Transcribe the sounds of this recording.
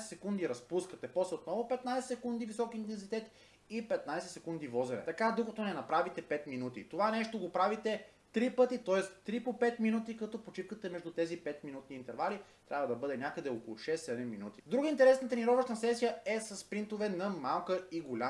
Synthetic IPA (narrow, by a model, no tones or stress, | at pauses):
sɛsɛkund̪iɾɐspuskət̪ɛpɔsɛot̪nɔvopɛt̪najsɛsɛkund̪ivisɔkiːnt̪ɛnzit̪ɛt̪ | ipɛt̪najsɛt̪sɛkund̪ivɔzɛnɛ̰t̪ɐkad̪okɐt̪ɔnɛnɐpɾavit̪ɛpɛt̪minut̪ḭt̪ovanɛʃt̪oɡopɾavit̪ɛ | t̪ɾipɤt̪it̪ɔɛst̪t̪ːɾipopɛt̪minut̪ikɐt̪ɔpot͡ʃipkət̪ɛmɛʒd̪ut̪ɛzipɛt̪minut̪niːnt̪ɛɾvalit̪ɾʲabvɐd̪ɐbɤd̪ɛnʲjakəd̪ɛoko̰lˠʊʃɛsːɛd̪ɛmːinut̪i̥d̪ɾuɡəint̪ɛɾɛsnət̪əniɾɔvəʃt̪ɐsɛsijəɛsɐsːpɾint̪ovɛnɐmalˠkəiɡolʲa